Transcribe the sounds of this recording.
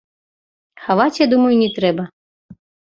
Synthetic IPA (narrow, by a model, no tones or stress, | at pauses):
xavat͡sʲjad̪umɐjunʲɛt̪ɾɛbɐ